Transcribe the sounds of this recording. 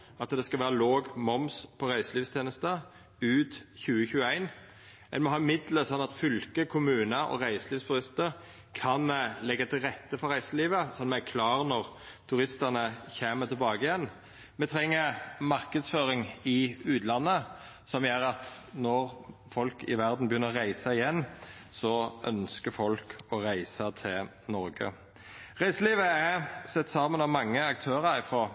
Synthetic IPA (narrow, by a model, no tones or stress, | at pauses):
ɑt̪d̪ɛskɑlʋæːɾəloːɡmɔmspʰɔɾæɪsəliːʋst̪ʰeːnəst̪ə | ʉːt̪çʉːəçʉːəæɪn | ɛ̰nmɔɦɑːɪmɪd̪ləsɔnːɑt̪fʏlkəkʰʊmʉːnəɔ̰ʁæɪsəliːʋst̪ʰʉɾɪst̪əɾ | kʰɑnlɛɡːət̪ʰɪlʁɛt̪ːəfɔɾæɪsəliːʋəsɔnːmɛækʰlɑːʁnɔʁ | t̪ʰʉɾɪst̪ənəçeːmət̪ʰɪlbɑːɡəɪjɛn | mɛt̪ʰɾɛŋːəɾmɑʁkəd̪sføːɾɪŋɪʉːt̪lɑnːə | sɔmjøːɾɑt̪nɔɾfɔlkɪ̰ʋæʁd̪n̩bjʏnːəʁæɪsɑɪjɛnːsɔʔœ̰nskəfɔlkɔɾæɪsət̪ʰɪl | nɔɾɡə̰ | ʁæɪsəliːʋəæsɛt̪ːsɑːmənɑʋmɑŋːəɑk̚t̪ʰøːɾəɾɪfɾoː